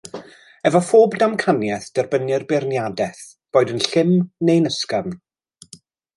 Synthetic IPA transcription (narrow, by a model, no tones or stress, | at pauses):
ɛvɔfoːbdamkʰanjɛθd̥ɛrbənɨrbɪrnjadɛθ | b̥oːjdənɬɪmnejnəskam